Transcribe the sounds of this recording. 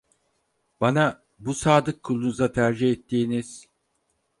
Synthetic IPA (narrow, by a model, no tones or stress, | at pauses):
b̥ana | busaːd̪ɯkʰːulˠunuzat̪ʰæɾd͡ʒihɛt̪ʰːiːniz̥